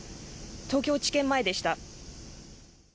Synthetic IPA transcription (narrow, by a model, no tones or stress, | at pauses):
t̪o̞ːkʲo̞ːt͡ɕi̥kẽ̞mːae̞d̪e̞ɕi̥t̪a